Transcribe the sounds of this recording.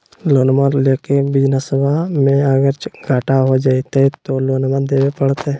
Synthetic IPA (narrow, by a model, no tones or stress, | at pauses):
loːnmaɾleːkebɪd͡ʒnasəbʱamẽəɡəɾt͡ʃɡʱaːʈaɦod͡ʒaːit̪ɛt̪oloːnmad̪eːwepəɽt̪ɛ